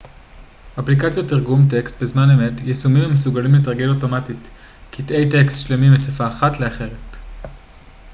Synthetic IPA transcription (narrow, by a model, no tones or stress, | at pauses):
ʔaplikat͡sjotːiʁɡumtekst̚bezmaneme̞tjesumimamesuɡalimlet̬ʁaɡe̞lo̞to̞matit | kitʔe̞jtekstʃlemimesafaːχatle̞aχe̞ʁ̞et